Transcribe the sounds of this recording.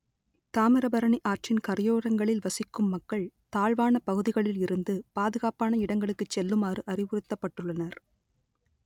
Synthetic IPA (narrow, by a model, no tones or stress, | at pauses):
t̪aːmɪɾɐbɐɾɐɳiʔaːʈt͡ʃɪnkɐɾjoːɾɐŋɡɐɭɪlʋɐsɪkːɯmːɐkːɐɭt̪aːɻʋaːnɐpɐɣɯðɪɣɐɭɪlɪɾɯnd̪ɯpaːðɯɣaːpaːnɐɪɽɐŋɡɐɭɯkːɯt͡ʃːɛlːɯmaːrɯʔɐrɪʋɯɾɯt̪ːɐpːɐʈːɯɭːɐnɐɾ